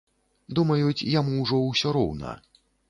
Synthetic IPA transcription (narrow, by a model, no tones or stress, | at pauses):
d̪umɐjut͡sʲjamuwʐɔwsʲɔɾɔwnɐ̰